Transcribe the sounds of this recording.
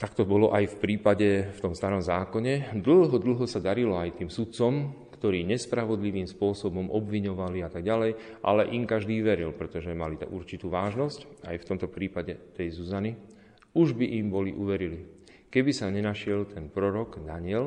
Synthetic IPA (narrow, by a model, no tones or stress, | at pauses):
t̪akt̪ɔbɔlɔʔajfpɾiːpaɟɛft̪ɔmst̪aɾɔmzaːkɔɲɛd̪l̩ɦɔd̪l̩ˠɦɔsad̪aɾilɔajt̪iːmsut̪̚t͡sɔmkt̪ɔɾiːɲɛspɾaʋɔd̪liʋiːmspʊɔsɔbɔmʔɔbʋiɲɔʋaliat̪aɡɟalɛjʔa̰lɛʔimkaʒd̪iːʋɛɾilpɾɛt̪ɔʒɛmalit̪ɛ̰ʔṵɾt͡ʃit̪uːʋaːʒnɔsca̰jft̪ɔmt̪ɔpɾiːpaɟɛt̪ɛjzuzani | uʒbiʔimbɔliʔuʋɛɾili | kɛbisaɲɛnaʃɪɛlt̪ʰɛnpɾɔɾɔɡd̪aɲɪɛl